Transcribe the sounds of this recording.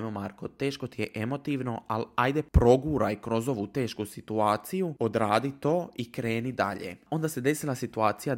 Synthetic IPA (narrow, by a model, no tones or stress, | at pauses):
momaɾko̞t̪e̞ːʃkot̪ijeʔe̞mo̞t̪iʋno̞alajd̪epɾo̞ɡuɾajkɾo̞zo̞ʋut̪e̞ːʃkusit̪uaːt̪sijuod̪ɾaːd̪it̪o̞ːikɾe̞ːnid̪a̰ʎḛo̞nd̪ase̞d̪e̞silˠasit̪uaːt̪sija